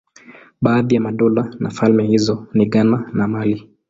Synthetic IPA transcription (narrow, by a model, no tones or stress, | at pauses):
ɓaːðijamaɗɔlanafalmɛhizɔniɠananamali